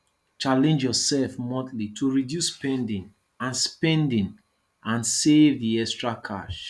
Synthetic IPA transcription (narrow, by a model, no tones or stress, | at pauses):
t͡ʃalɛ̃nd͡ʒjɔsɛlfmɔtlitʰuɹidjuspɛ̃ndĩŋ | ãnspɛ̃ndĩŋ | ãnsevðiɛstɹakʰa̰ʃ